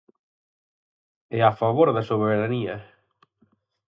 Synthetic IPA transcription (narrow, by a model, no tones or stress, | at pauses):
ɛafaβoɾðasoβeɾaniɐ